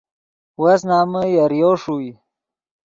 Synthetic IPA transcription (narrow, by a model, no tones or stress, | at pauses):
was̬naːməjaɾjoːʂui